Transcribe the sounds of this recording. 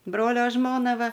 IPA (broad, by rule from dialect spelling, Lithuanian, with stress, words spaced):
ˈbroːlʲoː ˈʒmoːnɐ ˈʋɐ